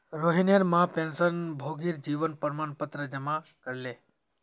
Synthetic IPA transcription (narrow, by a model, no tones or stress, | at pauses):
ɾoːɦinjəɾmãpẽːnsənbʱoːɡiɾd͡ʒiːʋənpəɾmaːnpət̪ɾəd͡ʒəmakəɾle